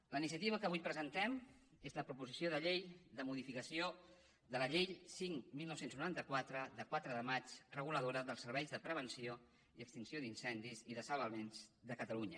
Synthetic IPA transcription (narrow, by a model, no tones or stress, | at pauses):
ləinisiət̪iβ̞əkəβujpɾəzənt̪ɛm | ezləpɾupuzisioðəʎejðəmuðifikəsio | ðələʎejsiŋmilˠnɔwsenznuɾant̪əkwat̪ɾəðəkwat̪ɾəðəmat͡ʃrəɣ̞uləð̞oɾəðəlˠsəɾβɛjzðəpɾəβ̞ənsio | iəkst̪insioðinsɛnd̪iziðəsəlˠβəlˠβenzðəkət̪əluɲə